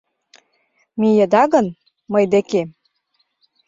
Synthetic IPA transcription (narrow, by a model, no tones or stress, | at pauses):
mijə̆d̪ɑɣɤ̆n | mɤjd̪ĕke